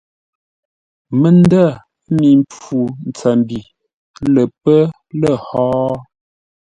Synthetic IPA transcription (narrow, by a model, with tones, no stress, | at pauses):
mə˨n˦da˦˨˦ | mi˨mp͡fu˨n̩˨t͡sɛ˨mbi˨ | lə˨pə˦ | lə˨hɔː˦